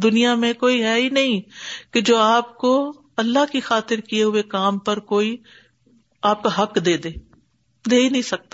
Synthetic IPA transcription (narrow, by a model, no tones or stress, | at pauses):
d̪ʊnijamẽkoːiɦɛːinɐɦĩked͡ʒoːaːp̚ko | ɐlːaɦkixaːt̪ɪɾkieɦʊekaːmpɐɾkoːi | aːp̚kaɦɐkd̪eːd̪eː | d̪eːinɐ̃ɦĩsɐk̚t̪aː